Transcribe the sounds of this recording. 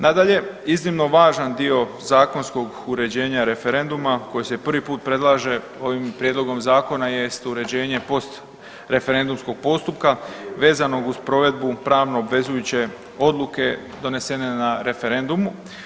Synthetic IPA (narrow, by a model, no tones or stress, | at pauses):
nad̪aʎe̞iznimno̞ʋaːʒand̪io̞ | zaːko̞nsko̞ɡ | uɾe̞d͡ʑe̞ːɲaɾe̞fe̞ɾe̞nd̪umako̞jese̞pr̩ʋipuːt̪̚pɾe̞d̪lˠaːʒe̞ | o̞ʋimpɾje̞d̪loɡo̞mzaːko̞naje̞st̪uɾe̞d͡ʑe̞ːɲe̞po̞st̪ | ɾe̞fe̞ɾe̞nd̪umsko̞ɡ̥̚po̞st̪upkaʋe̞ːzano̞ɡuspɾo̞ʋe̞d̪bupɾaːʋno̞ːbʋe̞zujut͡ɕe̞ | o̞d̪lˠuke̞ | d̪o̞ne̞se̞ne̞naɾe̞fe̞ɾe̞nd̪umu